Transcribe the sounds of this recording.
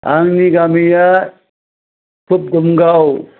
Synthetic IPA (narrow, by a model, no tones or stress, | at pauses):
a̰ŋniɡaːmija | kʰup̚ɡumɡaw